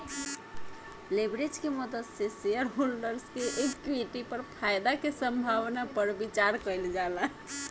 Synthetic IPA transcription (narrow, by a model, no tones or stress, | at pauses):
lebɾed͡ʒkemɔd̪ət̪sesejəɾɦolɖəɾskeʔekkwiʈipəɾpʰajd̪akesə̃mbʱaʋnapəɾbit͡ʃaɾkəld͡ʒala